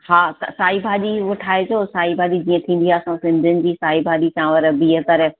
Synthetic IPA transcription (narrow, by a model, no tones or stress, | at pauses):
ɦaːssaːibʱaːɗiʋʊʈʰaːed͡ʑʰoːsaːibʱaːʄid͡ʑĩːə̃t̪ʰĩːn̆d̪iɦaːsãsɪ̃nd̪ʱɪʊnɪ̆d͡ʑiːsaːɦibʱaːʄisãːʋəɾbiːɦət̪ɐɾ